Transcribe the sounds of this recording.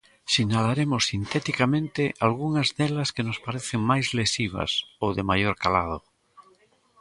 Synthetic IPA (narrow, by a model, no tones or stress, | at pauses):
sinalaɾemʊsːint̪ɛt̪ikamẽnt̪ɪʔalɣuŋɐzðɛlɐskenospaɾeθeŋmajzlesiβ̞ɐ̰sowðemajoɾkalað̞o